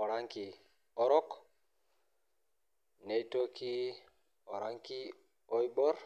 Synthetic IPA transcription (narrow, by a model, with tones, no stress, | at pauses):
ɔ˨ɾa˦ŋki˨ | ɔ˦ɾɔ˦k | ne˦jto˦ki˦ | ɔ˨ɾa˦ŋki˦ | ɔ˦jbɔ˦ɾ